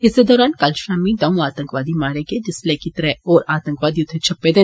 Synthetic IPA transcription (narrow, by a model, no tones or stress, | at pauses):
ɪsed̪ɔːɾaːnkalʃaːmid̪ɐũaːt̪ə̃ŋkʋaːd̪imaːɾeɡed͡ʒ̪ɪslɛːkit̪ɾɛɔːɾaːt̪ə̃ŋkʋaːd̪iʊt̪ʰet͡ʃʰɐpːed̪e